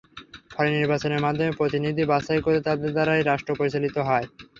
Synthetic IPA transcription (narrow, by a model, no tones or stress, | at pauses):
fʰɔleniɾbat͡ɕoneɾmad̪ʱːomepɾot̪inid̪ʱibaʃajkoɾet̪ad̪eɾd̪aɾajɾaʃʈɾopoɾit͡ɕalit̪oɦɔe